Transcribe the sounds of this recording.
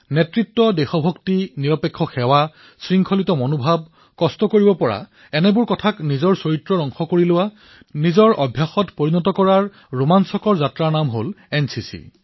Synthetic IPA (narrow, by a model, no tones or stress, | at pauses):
nɛtɹitːɔdɛxɔbʱɔktiniɹɔpekʰːɔxɛwa | sɹiŋkʰɔlitɔmonubʱab̚ | kɔstɔkoɹibɔpɔɹa̰ | ɛnɛbʊɹkɔtʰaknizɔɹsoɹitɹɔɹɔŋxɔkoɹilʊwa | nizɔɹʔɔbʱjaxɔtpoɹinɔtɔkɔɹaɹ | ɹumansɔkɔɹzatɹaɹnamɦolɛnsisḭ